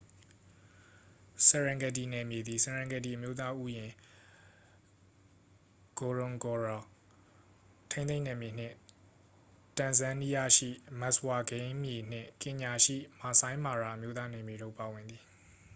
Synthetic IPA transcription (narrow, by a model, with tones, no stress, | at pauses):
sɛ˨ɹã˨ŋɡɛ˨t̬i˨nɛ˨mje˨d̪ði˨sɛ˨ɹã˨ŋɡɛ˨t̬i˨ʔə˨mjo˦t̪a˦ʔu˦jɪ̃˨ | ɡ̥o˨ɹʊ̃˨ŋɡɔ˨ɹa˨ | tʰẽ˦θẽ˦nɛ˨mje˨n̥ɪ̰̃˦˨ | tã˨nzã˦ni˦ja˦˨ʃḭ˦˨ma˦˨swa˨ɡẽ˦ɪ̃mje˨n̥ɪ̰̃˦˨kɪ̃˨ɲa˨ʃḭ˦˨ma˨sã˦ɪ̃ma˨ɹa˨ʔə˨mjo˦t̪a˦nɛ˨mje˨ɾo˦˨pa˨wɪ̃˨nd̪ði˨